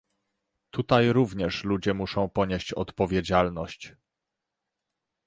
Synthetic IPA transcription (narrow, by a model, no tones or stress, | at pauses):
t̪ut̪ajɾuvɲɛʂlud͡ʑɛmuʂɔ̃w̃pɔɲeɕt͡ɕɔt̪pɔvʲjed͡ʑalnɔɕt͡ɕ